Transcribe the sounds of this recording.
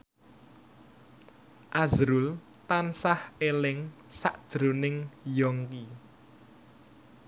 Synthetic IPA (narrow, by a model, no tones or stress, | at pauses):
ʔazɾʊlt̪ansahelɪŋsa̰ʔd̥ʒ̥ɾonɪŋjɔŋki